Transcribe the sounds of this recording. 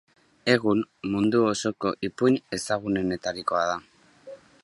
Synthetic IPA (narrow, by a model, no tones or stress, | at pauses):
e̞ɣ̞unmund̪uoso̞ko̞ʔipuɲe̞saɣune̞ne̞t̪aɾiko̞aða